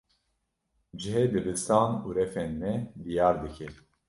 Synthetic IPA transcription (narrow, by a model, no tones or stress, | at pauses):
d͡ʒɨɦed̪ɨbɨst̪aːnuːɾɛfɛnːɛd̪ijɑːɾd̪ɨkʰɛ